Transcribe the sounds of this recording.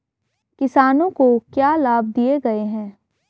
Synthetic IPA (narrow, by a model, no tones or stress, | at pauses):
kɪsaːnõkokjaːlaːb̚d̪ieɡɐeɦɛ̃ː